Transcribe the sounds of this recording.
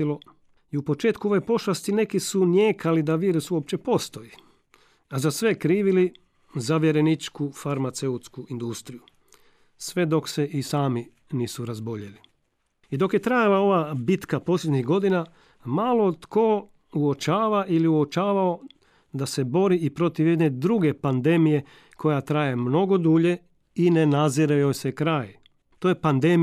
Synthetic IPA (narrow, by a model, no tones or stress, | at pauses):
ilo | iupo̞t͡ʃeːt̪kuo̞ʋe̞po̞ʃlast̪ine̞kisunjeːkʰalid̪aʋjiːɾusuop̚t͡ɕe̞po̞st̪o̞ji | azasʋe̞kɾiːʋili | zaʋjeɾe̞nit͡ʃkufaɾmat̪seut̪skuʔind̪ust̪ɾiju | sʋe̞d̪o̞kse̞ʔisaːmi | niːsuɾazboʎeli | id̪o̞kje̞t̪ɾajalao̞ʋabit̪kapo̞ːslʎʲed̪ɲiɣɡo̞d̪ina | maːlˠot̪ko | uot͡ʃaːʋaʔiliuot͡ʃaːʋao̞ | d̪ase̞bo̞ɾiʔipɾo̞t̪iʋje̞d̪ne̞d̪ɾuɡe̞pand̪e̞mije̞ | kʰo̞jat̪ɾaːje̞mno̞ɡo̞d̪uʎe̞ | ine̞naziɾajosekɾaːj | t̪ojepand̪e̞m